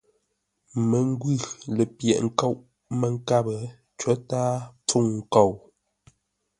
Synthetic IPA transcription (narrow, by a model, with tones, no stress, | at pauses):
mə˨ŋ˦ɡɥʉ˦˨lə˨pjɛ̰˨ʔŋ̩˦ko˦˨wʔ | mə˨ŋ̩˦ka˦˨bə˨ | t͡ʃə˨˦taː˦p͡fu˦˨ŋŋ̩˨ko˦˨w